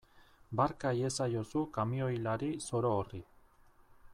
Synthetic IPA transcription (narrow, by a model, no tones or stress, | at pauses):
baɾkaje̞sajo̞sukamio̞jlaɾiso̞ɾoːri